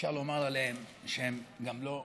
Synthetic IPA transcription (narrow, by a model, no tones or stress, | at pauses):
ʃaʁlomaʁaleɦem | ʃeemɡamlo